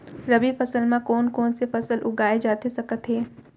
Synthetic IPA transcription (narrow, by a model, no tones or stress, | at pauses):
ɾɐbifɐsəlmãkɔːnkɔːnsefɐsəlʔʊɡaːed͡ʒaːt̪esɐkət̪ɦeː